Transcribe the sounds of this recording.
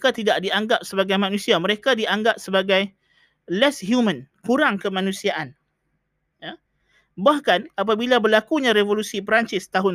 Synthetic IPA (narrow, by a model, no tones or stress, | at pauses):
kat̪idaʔdiaŋɡap̚səbaɡajmanũsiamə̃ɾekadiaŋɡap̚səbaɡaj | lɛshjumə̃nkuɾaŋkəmãnũsiaʔan | ja | bahkanap̬abilabərlakuɲãɾevolusip̬ɾaɲt͡ʃɪst̪aɦʊn